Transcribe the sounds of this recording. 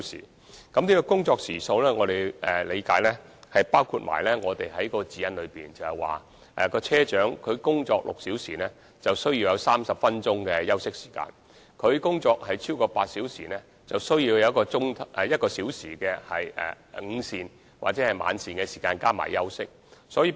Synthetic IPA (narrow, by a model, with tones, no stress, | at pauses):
sḭ˨˩ | kɐ˨˥mniː˥kɔː˧kʊ˥ŋt͡sɔː˧k̚siː˨˩so˧wlɛː˥ŋɔː˨˧ɾe˨jɛ˨le˨˧jkaː˨˥jlɛː˥hɐ˨jpaː˥wkʰuː˧t̚ma̰ː˨˩jlɛː˥ŋɔː˨˧t̪e˨jɦɐ˨˥jkɔː˧t͡siː˨˧jɐ˧nlɵ˨˧piː˨nt͡sɐ˨˩whɛ˨˩jwa̰ː˨˩ | ʔɛ˨kɔː˧t͡sʰɛː˥t͡ʃœː˨˥ŋkʰɵ˨˧ɥkʊ˥ŋt͡sɔː˧k̚lʊ̰˨k̚siː˨˥wsiː˨˩nɛː˥ | t͡sɐ˨wsɵ˥ɥjiː˧wjɐ˨˧wsaː˥msɐ˨p̚fɐ˥nt͡ʃʊ˥ŋkɛ˧jɐ˥wsɪ˥k̚si̥ː˨˩ka̰ː˧n | kʰɵ˨˧ɥkʊ˥ŋt͡sɔː˧k̚hɐ˨jt͡sʰi˥wkɔː˧paː˧t̚siː˨˥wsḭː˨˩nɛː˥ | t͡sɐ˨wsɵ˥ɥjiː˧wjɐ˨˧wkɔː˧t͡sʊ˥ŋt̪ʰʔɛ˨jɐ˥t̚kɔː˧siː˨˥wsiː˨˩kɛː˧hɐ˨jɛ̰˨˩ | ŋ̩˨˧siː˨n | wa̰ː˨t̚t͡sɛː˨˥hɐ˨jma̰ː˨˧nsiː˨˩nkɛ˧si̥ː˨˩kaː˧nkaː˥ma̰ː˨˩jːɐ˥wsɪ˥k̚ | sɔː˨˥jiː˧